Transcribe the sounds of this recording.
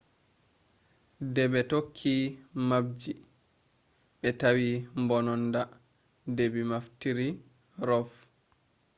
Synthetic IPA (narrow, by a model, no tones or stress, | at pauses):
dɛɓɛtokʰːimab̚d͡ʒi | ɓɛtawimbɔnɔnda | debimaftiɾi | ɾɔf